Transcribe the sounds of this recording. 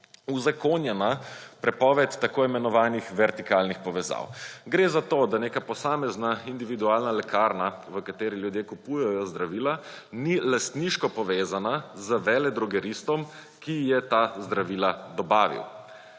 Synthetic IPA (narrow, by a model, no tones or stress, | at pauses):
uzakonjɛnapɾɛpɔːʋɛt̪ːakoːimɛnɔʋaːnixʋɛɾt̪ikaːlnixpɔʋɛza̰wɡɾeːzat̪oːd̪aneːkapɔsaːmɛznaind̪iʋid̪uaːlnalɛkʰaɾnaʋəkat̪eːɾiljud̪jeːkupujɛjɔzd̪ɾaʋiːla | nilast̪niʃkɔpɔʋeːzanazəʋɛːlɛd̪ɾɔɡɛɾist̪ɔm | kijɛt̪azd̪ɾaʋiːlad̪ɔbaːʋḭw